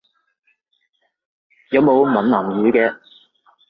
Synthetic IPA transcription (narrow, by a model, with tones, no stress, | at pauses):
jɐ˨˧wmo˨˧wmɐ˨˩nlɐː˨˩mjyː˨˧kɛː˧